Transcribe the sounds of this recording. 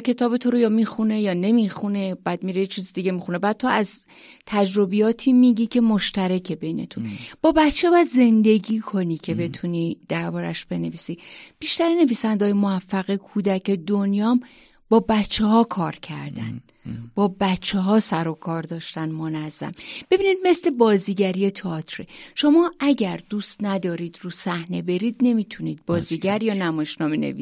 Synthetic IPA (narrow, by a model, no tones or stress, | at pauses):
cʰe̞t̪ʰɒːbet̪ʰoɾojɒːmiːxune̞jɒːne̞mixune̞bæːd̪̥̚miːɾejet͡ʃʰiːzid̪iɟe̞mixune̞bæːd̪̚t̪ʰo̞æz | t̪ʰæd͡ʒɾo̞bijɒːt̪ʰiːmiɟiːcʰe̞mo̞ʃt̪æɾæcʰe̞bejne̞̰t̪ʰunb̥ɒːbætt͡ʃʰːebɒæd̪ze̞nd̪e̞ɟiːkʰo̞niːcʰe̞be̞t̪ʰuniːd̪̥æɾbɒːɾæ̰ʃb̥e̞ne̞viːsib̥iʃt̪æɾene̞viːsænd̪ɒːjemoæfːæɣikʰuːd̪æce̞d̪onjɒːm | b̥ɒːbæt̪t͡ʃʰːehɒːkʰɒːɾcʰæ̰ɾd̪æ̰n | b̥ɒːbæt͡ʃʰːeɦɒːsæɾokʰɒːɾd̪ɒːʃt̪ænmo̞næzːæ̰mb̥e̞binid̪̚mesle̞bɒːziːɟæɾijet̪ʰeɒt̪ʰɾeʃo̞mɒːʔæɟæɾd̪uːst̪næd̪ɒːɾiːd̪ɾuːsæhne̞be̞ɾiːd̪̚ne̞miːt̪ʰuniːd̪̚bɒːziɟæɾjɒːnæmɒjeʃnɒːmenḛviːi